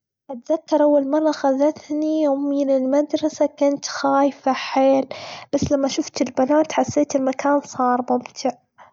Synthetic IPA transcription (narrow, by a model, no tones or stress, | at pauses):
ʔat̪ðakːɑɾˤʔawːalmɑrˤːɑxaðat̪niminɪlmad̪ɾˤɑsakʊnt̪xaːjfaħeːlb̥asːlamːaʃʊft̪ɪlbanaːt̪ħasːeːt̪ɪlmakʰaːnsˤɑːɾˤmʊmt̪ʰɪʕ